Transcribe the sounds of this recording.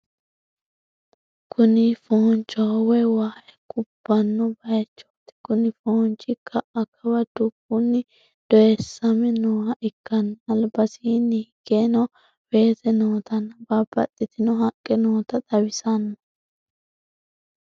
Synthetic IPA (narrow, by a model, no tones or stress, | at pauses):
kʰʊnɪfɔhɔnt͡ʃːɔwɛwaːʔɛkʼʊb̥ːɐnːɔbɐjt͡ʃːo̥ːt̪ɪ̥kʊnɪfont͡ʃʼɪkʰːɐʔɐkʰːɐwɐd̪̥ʊkːunːɪ | d̪̥ɔjɛsːɐmɛnoːhɐʔɪkːɐnɐlbɐsiːnːɪhɪɡ̥eːnɐ | be̞ːt̪ɛnoːt̪ɐnbabɐ̰t̪ʼːɪt̪ɪnɔɦɐkʼːɛnoːt̪ɐt̪ɐwɪsɐnːɔ